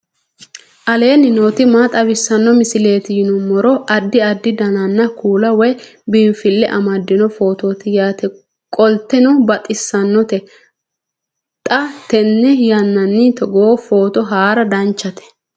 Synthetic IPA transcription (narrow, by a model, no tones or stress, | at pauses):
ʔɐle̞ːnɪnoːt̪ɪmaːt̪ʼɐβɪsːɐnːɔmɪsɪle̞ːt̪ɪjɪnʊmɔɾɔɐd̪ːɪɐd̪ːɪd̪ɐnɐnːɐkuːlɐwɔjbiːfɪlːɛʔɐmɐd̪ːɪnɔfo̞ːt̪oːt̪ɪjaːt̪ɛ | kʼɔlt̪ːɛnɔbɐt̪ʼɪsːɐnːɔt̪ɛ | t̪ʼɐt̪ɛnːɛjɐnːɐnːɪt̪ɔɡoːfo̞ːt̪ɔɦaːɾɐd̪ɐnt͡ʃːɐt̪ɛ̥